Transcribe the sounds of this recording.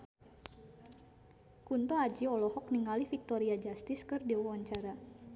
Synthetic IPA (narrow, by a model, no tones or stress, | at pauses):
kunt̪oad͡ʒiɔlɔhɔk̚niŋalifik̚t̪oɾiad͡ʒast̪ɪskɨrdewawaɲt͡ʃaɾa